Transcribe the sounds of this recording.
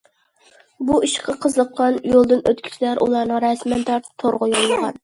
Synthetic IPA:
buiʃqʰɑqʰəzləqːɑnjolˠd̪ɨnøt̪kʲʰi̥t͡ʃʰilæɾʔṵlˠɑɾnɨŋɾɛsmɛnt̪ʰɑɾt̪ʰt̪ʰoɾʁʊjolˠːəʁɑ̰n

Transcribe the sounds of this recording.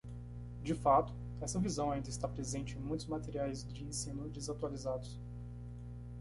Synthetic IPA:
d͡ʒɪfat̪ʊ̥ | ɛsɐvizɐ̃w̃aĩnd̪ɐɪst̪apɾezẽnt͡ʃɪẽmũj̃t̪ʊzmat̪eɾiajzd͡ʒɪẽsĩnʊd͡ʒɪzat̪ualizad̪ʊs

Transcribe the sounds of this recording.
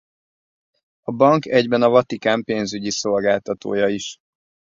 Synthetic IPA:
ɒbɒŋkɛɟbɛnɒvɒt̪ikaːmpeːnzyɟiso̞lɡaːlt̪ɒt̪o̰ːjɒiʃ

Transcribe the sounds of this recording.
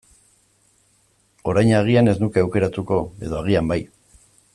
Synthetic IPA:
o̞ɾajɲaɣ̞iane̞znuke̞awke̞ɾat̪uko̞e̞̰ðo̞aɣ̞iambaj

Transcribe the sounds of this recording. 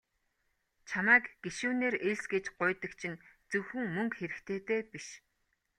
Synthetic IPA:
t͡ɕʰamæːkɡ̥eʃuːneːreɮsɡet͡ɕɢʊjt̪ə̆kt͡ɕʰint͡sɵwxɘ̆ŋmɵŋkxeɾɘ̆kt̪ʰeːt̪eːpiʃ

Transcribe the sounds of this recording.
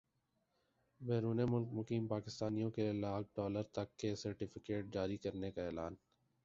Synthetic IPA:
bɛːɾuːnemʊlk̚mʊkiːmpaːkɪst̪aːnijõkelaːk̚ʰɖɔːləɾt̪ɐkːesɐɾʈɪfɪkeːʈ̚d͡ʒaːɾikɐɾnekaɛːlaːn

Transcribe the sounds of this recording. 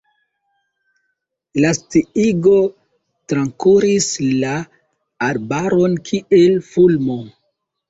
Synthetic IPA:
lastiiɡo̞ | tɾaŋkuɾislaː | ɾbaɾo̞nkʰielfulmo̞

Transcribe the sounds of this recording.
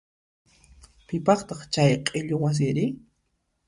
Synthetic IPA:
pɪpɑχt̪ɑχt͡ʃajqʼɪʎowas̬ɪɾɪ

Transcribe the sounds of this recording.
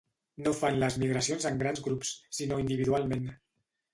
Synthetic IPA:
nofanləzmiɣɾəsionzəŋɡɾanzɣɾupsːinoind̪iβ̞iðualˠmen

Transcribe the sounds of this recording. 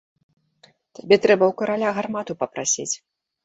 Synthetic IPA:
t̪abʲɛt̪ɾɛbɐwkɐɾalʲaɣarmat̪upɐpɾasʲit͡sʲ

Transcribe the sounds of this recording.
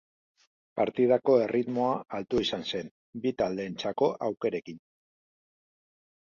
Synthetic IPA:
paɾt̪ið̞ako̞e̞rʔit̪mo̞aːlt̪uisanse̞n | bit̪ald̪e̞ːnt͡sako̞ʔawke̞ɾe̞kin

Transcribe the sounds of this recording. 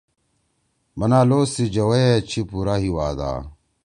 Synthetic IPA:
mɐnaːloːsid͡ʑɐwɐjet͡ɕʰipuɾaːɦiwaːd̪a̰ː

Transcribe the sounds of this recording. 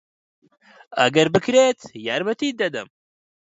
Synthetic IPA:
ɐ̰ɡɐɾbɨkɾeːt̪jaːɾmɐt̪iːd̪ɐd̪ɐm

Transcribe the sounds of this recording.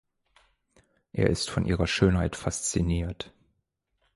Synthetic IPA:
ʔeːɐʔɪstfɔnʔḭːʁɐʃøːnɦaɪtfast͡siniːɐt

